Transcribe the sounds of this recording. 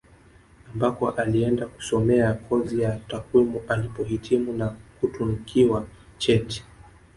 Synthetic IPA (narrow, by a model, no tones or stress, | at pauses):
ambakɔʔaliɛndaku̥sɔmɛakʰɔzijatakwimualipɔhitʰimunakutunikʰiwa | t͡ʃɛti̥